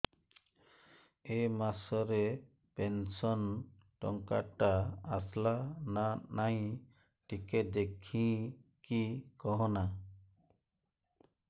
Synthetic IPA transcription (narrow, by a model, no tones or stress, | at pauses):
emasɔɾe | pensɔn | ʈɔ̰ŋkaʈaːslananaj̃ | ʈiked̪ekʰĩkikɔɦɔ̃na